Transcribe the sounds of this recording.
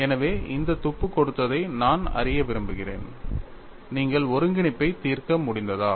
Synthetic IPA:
ɛnɐʋeːʔɪnd̪ɐt̪ʊpːɯkːɔɽɯt̪ːɐðɐɪnaːnɐ̰rɪjɐʋɪɾɯmbɯɣɪrḛːn | niːŋɡɐɭɔɾɯŋɡɪɳɪpːɐɪt̪iːrkɐmʊɽɪnd̪ɐðaː

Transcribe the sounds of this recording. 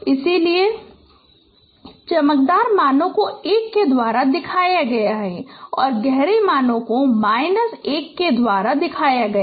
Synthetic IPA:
ɪsilie | t͡ʃɐmək̚d̪aːɾmaːnõkoeːkːed̪waːɾad̪ɪkʰaːjaɡɐjaɦɛːɔːɾɡɛɦɾemaːnõkomaːɪnəseːkːed̪waːɾad̪ɪkʰaːjaɡɐja

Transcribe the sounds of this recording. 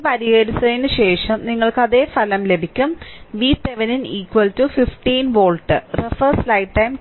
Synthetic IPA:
pɐɾijeːɾisɐinɨɕe̞ːʂɐmniŋːɐɭkɐðe̞ːfɐlɐmle̞bʱikʲːumʋiseʋɐniniːkwɐltufifʈiːnʋoːɭʈːɨrefɐslɐjʈ̚ʈɐjm

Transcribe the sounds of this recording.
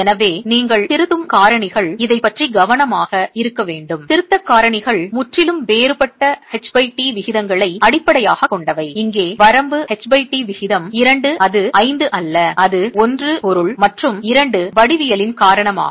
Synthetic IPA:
ɛnɐʋeːniːŋɡɐɭt̪ɪɾɯðɯmkaːɾɐɳɪɣɐɭɪðɐɪpːɐʈriɡɐʋɐɳɐmaːɣɐɪɾɯkːɐʋeːɳɖɯmt̪ɪɾɯt̪ːɐkːaːɾɐɳɪɣɐɭmʊʈrɪlɯmʋeːɾɯpɐʈːɐhɛt͡ʃbɐɪʈiʋɪɣɪðɐŋɡɐɭɐɪɐɽɪpːɐɽɐjaːɣɐkːɔɳɖɐʋɐɪɪŋɡeːʋɐɾɐmbɯhɛt͡ʃbɐɪʈːiʋɪɣɪðɐmɪɾɐɳɖɯʔɐðɯʔɐɪnd̪ɯʔɐlːɐɐðɯɔndrɯpɔɾɯɭmɐʈrɯmɪɾɐɳɖɯʋɐɽɪʋɪjɐlɪnkaːɾɐɳɐma̰ː

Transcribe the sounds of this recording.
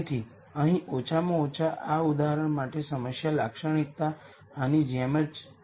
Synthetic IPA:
t̪ʰi | əɦĩʔot͡ʃʰamõot͡ʃʰaʔaud̪aɦəɾəɳ̃maʈesəməsjalakʃəɳ̃ik̚t̪aː | nid͡ʒɛmət͡ʃ

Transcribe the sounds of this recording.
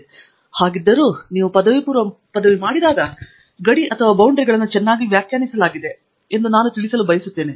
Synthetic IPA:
haːɡid̪ːɐɾuːniːʋupɐd̪ɐʋipuːɾʋɐ | pɐd̪ɐʋimaːɽid̪aːɡɐ | ɡɐɽiʔɐt̪ʰɐʋaːbɐwɳɖɐɾiɡɐɭɐnːut͡ʃɛnːaːɡiʋjaːkjaːnisɐlaːɡid̪e̞ | end̪unaːnut̪iɭisɐlubɐjɐsut̪ːeːni

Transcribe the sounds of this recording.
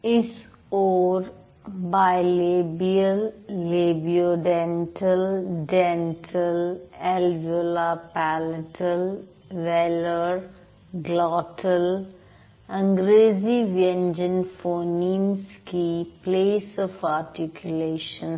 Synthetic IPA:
ɪs | ɔːɾ | baɪlebiəlːeːbioɖɛ̃nʈʰəlɖɛ̃nʈʰəlɛlʋolapæləʈʰəl | ʋɛləɾ | ɡlɔːʈʰəl | ə̃ŋɡɾeːziʋiɛ̃nd͡ʒə̃nfoːnimskipleːsɔfaːɾʈikʰjʊleːʃə̃n

